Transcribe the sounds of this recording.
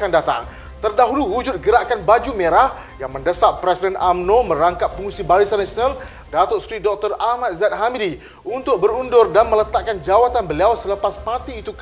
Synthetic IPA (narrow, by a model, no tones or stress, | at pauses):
andat̪a̰ŋ | t̪ərdaɦuluɦud͡ʒʊt̪̚ɡəɾaʔkanbad͡ʒumeɾah | jaŋməndəsap̚pɾesidɛnʔamnomə̃ɾaŋkap̚ːəŋusibalisanasional | dat̪osəɾidɔk̚t̪ɔramat̪̚zɛt̪̚ɦamidi | unt̪ʊk̚bəɾundʊrdanmələt̪aʔkand͡ʒawat̪anbəliawsələpaspart̪iːt̪uk